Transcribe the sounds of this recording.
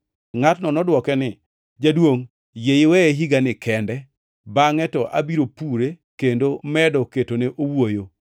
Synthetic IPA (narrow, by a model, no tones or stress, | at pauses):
ŋatnɔnɔdwɔkɛnɪ | d͡ʒadwoŋ | jejɪwɛeɦiɡanɪkɛndɛ | baŋɛtɔʔa̰biɾopuɾe | kendomɛdɔketoneʔowojo